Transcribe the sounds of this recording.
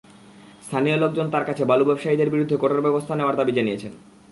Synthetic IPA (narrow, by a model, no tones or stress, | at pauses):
st̪ʰaniolok̚d͡ʑont̪aɾkat͡ɕʰebalubɛbʃaid̪eɾbiɾud̪ʱːekoʈaɾbɛbost̪ʰaneoaɾd̪abid͡ʑanijet͡ɕʰen